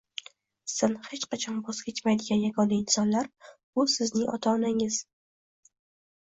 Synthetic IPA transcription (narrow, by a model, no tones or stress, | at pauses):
sanhe̞t͡ʃqɑt͡ʃʰɒnboz̥kʲet͡ʃmajd̪ɪɡʲanjaɡɒnaɪnsɒnlaɾbʊsɪznɪŋɒ̰t̪ʰaːnaŋɪz̥